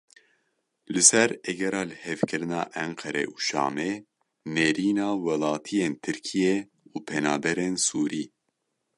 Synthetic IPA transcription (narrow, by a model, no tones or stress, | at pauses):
lɨsɛɾɛɡɛɾɑːlɨhɛvkɨɾɨnɑ̰ːʔɛŋqʰɛɾɛ̰ʔuʃɑ̰ːme | neɾiːnɑːwɛlɑːt̪ʰijeːnt̪ʰɨɾkʰijɛ | uːpʰɛnɑːbɛɾensuːɾiː